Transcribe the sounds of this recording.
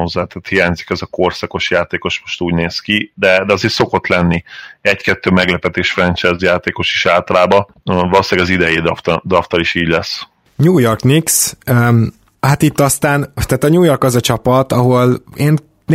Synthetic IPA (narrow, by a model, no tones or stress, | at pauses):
ozːaːt̪aːt̪hijaːɲzikɛzɒko̞rsɒko̞ʃjaːt̪eːko̞ʃmo̞ʃt̪uːɟneːskid̪ɛd̪ɛɒzeːɾso̞ko̞t̪lɛnːiɛckɛt̪ːøːmɛɡlɛpɛt̪eːʃfrɛnt͡ʃɛzjaːt̪eːko̞ʃi̥ʃaːlt̪ɒlaːbɒ | vɒloslɛːɡɒzid̪ɛjeːd̪ft̪d̪ɒft̪ɒliʃiːɟlɛs | ɲuːjo̞rkniksø | hat̪it̪ːɒst̪aːnt̪aːt̪ɒɲuːjo̞rkɒzɒt͡ʃɒpɒt̪ɒɦo̞leːn